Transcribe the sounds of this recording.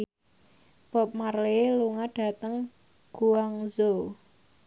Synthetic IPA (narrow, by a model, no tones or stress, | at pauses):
b̥ɔp̚marleluŋaɖ̥ä̤t̪əŋ | ɡ̥uaŋzo